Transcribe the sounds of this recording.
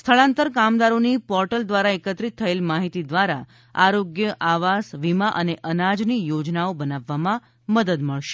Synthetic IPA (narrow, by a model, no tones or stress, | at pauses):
st̪ʰəɭãnt̪əɾkamd̪aɾonipɔɾʈəld̪ʋaɾaekət̪ɾit̪ʰːəelmaɦit̪id̪ʋaɾa̰ | aɾoɡjəʔaʋasʋimaʔəneʔənad͡ʒnijod͡ʒnaobənaʋːamã | məd̪əd̪məɭʃe̥